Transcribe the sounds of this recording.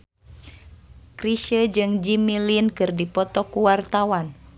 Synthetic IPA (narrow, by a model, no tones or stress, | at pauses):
kɾiʃəd͡ʒɨŋd͡ʒimilinkɨrdipɔt̪ɔkuwart̪awan